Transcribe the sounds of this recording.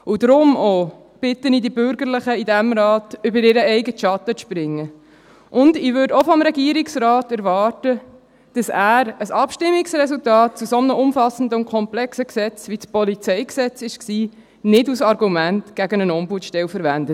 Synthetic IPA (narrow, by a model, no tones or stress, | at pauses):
ud̪ɾʊmɔ | b̥ɪtːənidibʏɾɡəɾlɪχəidæmɾɑːtʏbəɾɪɾəɛɪɡətʃɑt̪əspɾɪŋːə | ʔʊndɪʋøːdɔfɔmɾɛɡiəɾiksrɑːtɛɾʋɑːtə | d̥ɑsæːɾəsɑpʃtɪmːiksrɛsultɑːt̚t͡susɔnəʊmfɑsən̩dəʊnkʰɔmplɛksəksɛt͡sʋispɔlit͡sɛɪksɛt͡sɪʃksiː | nɪdusɑɾɡumæntɡ̥æɡənənɔmbutʃtɛlfəɾʋændə